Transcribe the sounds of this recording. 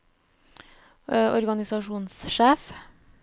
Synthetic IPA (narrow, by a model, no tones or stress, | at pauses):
ʔɔ̰ɾɡɑnɪsɑʃuːnsʃeːf